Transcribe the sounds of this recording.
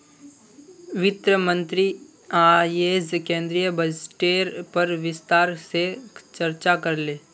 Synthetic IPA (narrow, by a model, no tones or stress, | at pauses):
ʋɪt̪ɾəmə̃nt̪ɾi | aːjeːzkẽːnd̪ɾijəbəsʈeːɾpɐɾʋɪst̪aːɾset͡ʃɐɾt͡ʃakɐɾleː